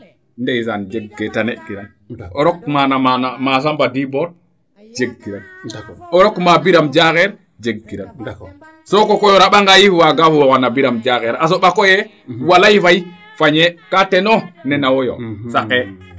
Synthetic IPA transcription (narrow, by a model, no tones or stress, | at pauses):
ndɛis̬and͡ʒeɡːetanekːiɾan | ɔɾɔkmanamanamas̬ambadibɔɾ | d͡ʒeɡːiɾanɔɾɔkmabiɾamd͡ʒakɛɾ | d͡ʒeɡːiɾan | sɔkɔkɔjɔɾaɓaŋɡajifwaɡafuwɔkanabiɾamd͡ʒakɛɾas̬ɔɓakɔjɛ | walajifaji | faɲɛkatɛnɔnɛnawɔjɔ̰sakɛ